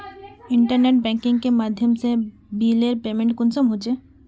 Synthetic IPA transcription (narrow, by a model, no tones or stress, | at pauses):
ɪ̃ɳʈəɾneːʈ̚bɛ̃ːŋkɪ̃ŋɡkemaːd̪ʱjəmse | biːleɾpeːmẽɳʈkʊnsəmɦod͡ʒeː